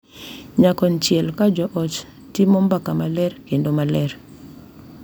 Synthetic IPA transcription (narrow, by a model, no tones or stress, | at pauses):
ɲakɔnt͡ʃjɛlkad͡ʒɔʔɔt͡ʃ | timɔmbakamalɛɾkendomalɛɾ